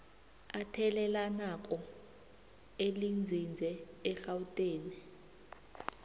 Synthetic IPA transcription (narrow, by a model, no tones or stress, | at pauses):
atʰɛlɛlanakʼɔ | elind͡zʱind͡zʱɛːɬawutʼeːni